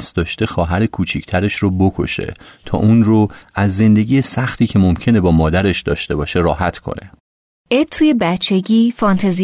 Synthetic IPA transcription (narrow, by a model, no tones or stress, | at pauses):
sd̪ɒːʃt̪e̞xɒːɦæɾekʰuːt͡ʃʰicʰt̪ʰæɾe̞ʃrobo̞kʰo̞̰ʃe̞̰t̪ʰɒ̰ːʔuːnroæzːe̞nd̪e̞ɟiːjesæxt̪ʰiːcʰe̞mo̞mcʰe̞ne̞bɒːmɒːd̪æɾe̞ʃd̪ɒ̰ːʃt̪e̞bɒːʃe̞ɾɒːɦæt̪ʰkʰo̞̰nḛ | ʔet̪ʰːuːje̞bæt͡ʃʰːe̞ɟiːfɒnt̪ʰezi